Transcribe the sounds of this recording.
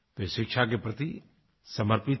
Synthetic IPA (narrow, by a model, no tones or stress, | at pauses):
ʋeʃɪkʃʰak̬epɾɐt̪i | sɐməɾpɪt̪